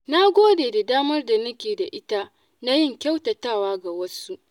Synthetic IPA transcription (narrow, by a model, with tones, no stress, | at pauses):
na˦ɡʷoː˦deː˨da˨daː˦mɐ˦rda˨nɐ˦kʲeː˨da˨ʔɪ˦ta˦ | na˦jɪ˦˨ŋkʲa˦wtɐ˨taː˦˨waː˦ɡa˨wɐ˦su˦